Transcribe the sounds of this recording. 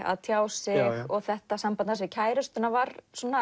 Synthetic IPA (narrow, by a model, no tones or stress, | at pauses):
a̰ðt̪ʰjaːwsɪɣɔɣθɛht̪asampanasvɪcʰaːjɾʏst̪ʏnːavaɾsuɔna